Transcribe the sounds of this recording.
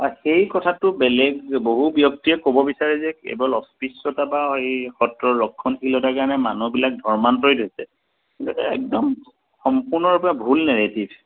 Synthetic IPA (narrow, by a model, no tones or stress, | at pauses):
baxejkɔtʰatʊbɛlɛɡboɦubjɔktiɛkobɔbisaɹɛzɛḛbɔlɔspisɔtabaejxɔtːɹɔɹɹɔkʰːɔnxilɔtakanɛmanubilak̚dʱɔɹmantɔjdʱɔjsɛ | kintutɛɛ̰k̚dɔm | xɔmpuɹnɔɹpɔɹabʱulnɛɹetibʱ